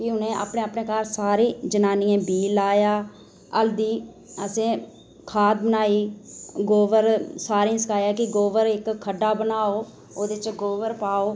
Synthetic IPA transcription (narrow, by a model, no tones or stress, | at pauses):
kɪɦʊnẽːʔa̰ːpɳẽːaːpɳeːkaːɾsaːɾĩːd͡ʒənaːniːãːbiːlaːjaː | əld̪iː | əsẽː | kʰaːt̪̚bənaːiːɡoːʋəɾsaːɾĩːsəkʰaːjaːkɪɡoːʋəɾɪkʰːəɖːaːbənaːoː | oːd̪ɪt͡ʃɡoːʋəɾpaːoː